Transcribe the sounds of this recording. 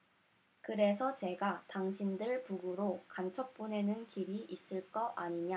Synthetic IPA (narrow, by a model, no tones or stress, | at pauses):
kɯɾe̞sʰʌt͡ɕe̞ɡataŋɕʰindɯɭpuɡuɾokant͡ɕʰʌp̚p͈une̞nɯnkiɾiʔis͈ɯɭk͈ʌʔaɲiɲa